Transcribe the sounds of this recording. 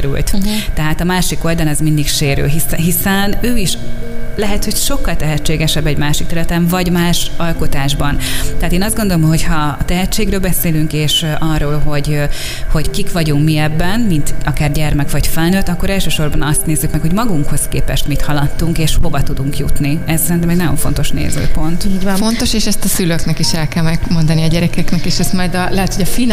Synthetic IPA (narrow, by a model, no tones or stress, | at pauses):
ɾy̰lt̪t̪ɛɦaːt̪ɒmaːʃiko̞ld̪ɒlɛzmind̪ikʃeːɾø̰ːɦisɛɦisɛnøːiʃlɛɦɛt̪ho̞cʃo̞kːɒlt̪ɛɦɛt͡ʃːeːɡɛʃɛbːɛɟmaːʃikt̪ɛɾylɛt̪ɛɱvɒɟmaːʃɒlko̞t̪aːʒbɒnt̪ɛaːt̪eːnɒzd̪ɡond̪olomɦo̞chɒːt̪ɛɦɛt͡ʃːeːɡɾøːlbɛseːlyŋkeːʃʔɒrːoːlɦo̞ɟ | ho̞ɟkikʋɒɟuŋkmiɛbːɛnmint̪ɒkaːrɟɛrmɛkʋɒɟfɛlnøt̪ːɒkːo̞ɾɛlʃøːʃo̞rbɒnɒst̪neːzːykmɛkho̞ɟmɒɡuŋkho̞skeːpɛʃt̪mit̪hɒlɒt̪ːuŋkeːʃho̞vɒt̪ud̪uŋkjṵt̪niɛzsɛɾint̪ɛmeɛɡnɒjo̞̰ɱfo̞nt̪o̞ʃnḛːzø̰ːpo̞nt̪font̪o̞ʃeːʃɛst̪ɒsyløknɛkiʃɛlkɛlmɛɡmo̞nd̪ɒniɒɟɛɾɛkɛknɛkeːʃɛst̪mɒjd̪ɒlɛɦɛt̪hoɟɒfin